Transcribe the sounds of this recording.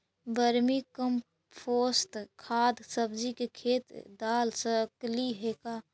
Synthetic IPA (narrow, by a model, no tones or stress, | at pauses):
bəɾmikəm | pʰoːst̪kʰaːd̪səbd͡ʒikekʰeːt̪d̪aːlsəkliɦekaː